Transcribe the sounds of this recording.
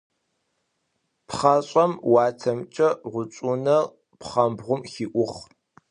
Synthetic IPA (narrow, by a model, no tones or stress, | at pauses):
pʰχaɕʼɐmwɑːtʰɐmt͡ʃʼɐʁʷʊt͡ʃʼunɐ | pʰχɐmbʁʷʊmxiːʔʷʊχ